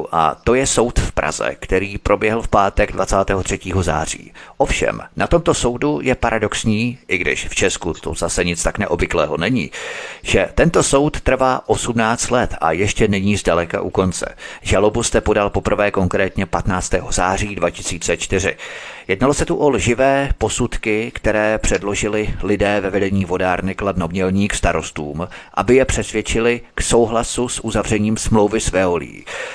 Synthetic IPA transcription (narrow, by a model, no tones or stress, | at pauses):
ʔa̰t̪o̞jɛso̞wt̪fpɾʔa̰zɛ̰kt̪ɛɾiːpɾʔo̞bjɛɦl̩fpaːt̪ɛɡdvat͡saːt̪ɛːɦot̪r̥ɛciːɦo̞za̰ːr̝ḭːʔofʃɛ̰mnat̪o̞mt̪o̞so̞wdujɛpaɾʔado̞ksɲiːʔɪɡdɪ̰ʃft͡ʃɛskut̪o̰zasɛɲɪt͡st̪aknɛʔobvɪklɛːɦo̞nɛɲiːʒ̥ɛt̪ɛnt̪o̞so̞wt̪ːr̩vaːʔo̞sumnaːt͡st̪lɛt̪ʔa̰jɛʃcɛnɛɲiːzdalɛka̰ʔuko̞nt͡sɛ̰ʒalo̞bust̪ɛpo̞dalpo̞pr̩vɛːko̞ŋkɾɛːt̪ɲɛpat̪naːt͡st̪ɛːɦo̞zaːr̝iːdvacɪ̥siːt͡sɛt͡ʃt̪ɪr̝ɪ̰jɛdnalo̞sɛt̪uʔo̞lʒɪvɛːpo̞sut̪kɪkt̪ɛɾɛːpr̥ɛdlo̞ʒɪlɪlɪdɛːvɛvɛdɛɲiːvo̞daːɾnɪkladnomɲɛlɲiːkst̪aɾo̞st̪uːmʔa̰bɪjɛpr̝̥ɛsvjɛt͡ʃɪlɪkso̞wɦlasusʔuzavr̝ɛɲiːmsmlo̞wvɪsvɛolḭḭː